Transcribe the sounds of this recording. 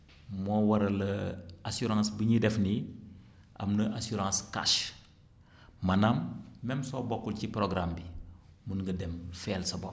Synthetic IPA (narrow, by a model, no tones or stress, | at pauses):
mɔːwɐɾɐlɐasuɾãːsbəɲidɛfni | ʔɐ̰mnɐʔasuɾãːska̰ʃ | mɐnamːɛmsɔːbɔkːulcipɾoɡɾambi | munɡɐdɛmfɛːlsɐbɔ